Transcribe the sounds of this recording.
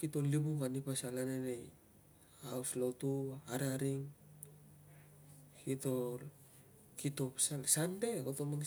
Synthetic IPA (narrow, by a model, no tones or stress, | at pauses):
kitolibukanipasalanene | auslotuaɾaɾiŋ | kitol | kito̞psasandeotoman